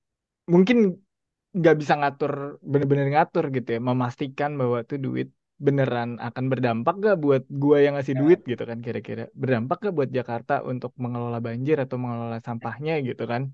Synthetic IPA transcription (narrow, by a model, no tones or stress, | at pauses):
muŋkɪn | ŋɡaʔbisaŋat̪ʊrbənəbənərŋat̪ʊrɡit̪ujaməmast̪ikanbawat̪udṵɪ̰t̪̚ | bənəɾana̰kanbərdampak̚ɡaʔbuat̪̚ɡuajaŋːasɪhduɪt̪̚ɡit̪ukankiɾakḭɾa̰bərdampak̚ɡaʔbuat̪̚d͡ʒakart̪aʔṵnt̪ʊk̚məŋəlolahbaɲd͡ʒɪɾat̪awməŋəlolasampahɲaɡit̪ukan